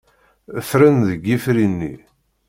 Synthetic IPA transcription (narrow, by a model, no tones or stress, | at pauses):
əfɾənðəɡːifɾinːḭ